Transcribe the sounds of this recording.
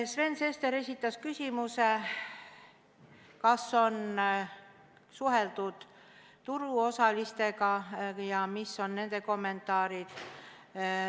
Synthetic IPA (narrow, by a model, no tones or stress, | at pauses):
sve̞nse̞st̪e̞ɾe̞sʲit̪ːˑɑskysʲimuse̞ | kɑsːo̞n | suɦe̞ld̪̥ud̪̥ | t̪uɾuo̞sɑlist̪e̞ɡɑjɑmisːo̞nːe̞nd̪̥e̞ko̞mːe̞nt̪ːˑɑːɾid̪̥